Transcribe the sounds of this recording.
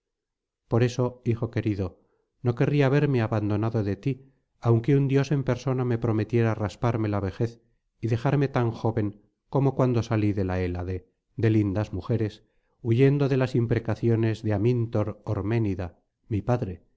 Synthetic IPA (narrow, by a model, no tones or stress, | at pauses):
po̞ɾe̞so̞ixo̞ke̞ɾiðo | no̞ke̞riaːβ̞e̞ɾme̞aβand̪o̞naðo̞ðe̞t̪i | awŋke̞und̪jo̞se̞mpe̞ɾso̞name̞pɾo̞me̞t̪je̞ɾaːraspaɾme̞laβe̞xe̞θ | iðe̞xaɾme̞t̪aŋxo̞βe̞ŋ | ko̞mo̞kwand̪o̞saliðe̞laelaðe̞ | d̪e̞lind̪azmuxe̞ɾe̞s | uʝe̞nd̪oðe̞lasimpɾekaθjo̞ne̞zðe̞amĩnt̪o̞ɾoɾme̞niða | mipaðɾe